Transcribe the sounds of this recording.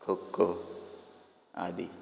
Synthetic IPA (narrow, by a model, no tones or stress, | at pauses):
kʰokːo | a̰d̪i